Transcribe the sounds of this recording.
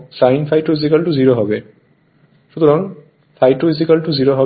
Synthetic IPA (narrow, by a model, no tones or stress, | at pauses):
sajnpʰajʈofisikalʈuziɾoɦɔbe | ʃut̪ɔɾaŋ | fʰajʈois̬ikalʈuziɾoɦɔ